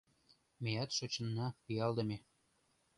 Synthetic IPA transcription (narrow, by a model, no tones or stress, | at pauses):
mejɑt̪ʃot͡ɕə̆nːɑpijɑld̪ə̆me